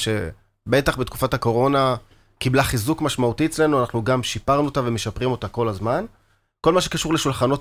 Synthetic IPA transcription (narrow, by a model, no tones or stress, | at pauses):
ʃe̞̰ | be̞taχbet̪ku̥fathako̞ʁo̞na | kiblaχizukmaʃmautijt͡sle̞nuanaχnuɡamʃipaʁnuot̪ave̞me̞ʃapʁimo̞tako̞lazman | ko̞lmaʃ̬e̞kaʃuʁleʃulχano̞t